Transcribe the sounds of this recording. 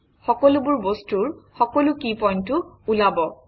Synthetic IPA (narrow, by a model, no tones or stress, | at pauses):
xɔkɔlubʊɹbostuɹxɔkɔlʊkipɔjntʊulabɔ